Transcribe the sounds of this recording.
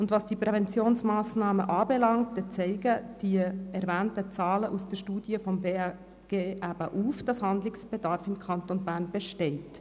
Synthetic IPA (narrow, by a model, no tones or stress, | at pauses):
ʊndʋɑsd̥iəpɾɛvɛnt͡sjoːnsmɑːsnɑːməʔɑːbɛlɑŋt̚d̥ɛt͡sɛɪɡəd̥iəɛɾvæːntət͡sɑːləʔusd̥əʃtuːd̥iəfɔmbeː | ɡ̥eːʔæb̥əʔuːfd̥ɑshɑndlɪksb̥ɛd̥ɑɾfɪmkʰɑntonbæːɾnb̥ɛʃtɛɪt